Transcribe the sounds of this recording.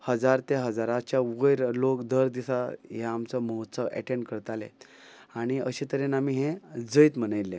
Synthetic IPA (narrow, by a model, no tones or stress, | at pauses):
həd͡zaɾt̪eɦəd͡zaɾat͡ɕjaʋəjɾlokd̪ʱəɾd̪isaɦaamt͡sɔməɦot̪səʋɛ̰ʈẽɳɖkəɾt̪alḛaɽ̃iəɕet̪əɾenamiːɦẽd͡zəjt̪m̤ənəjlːe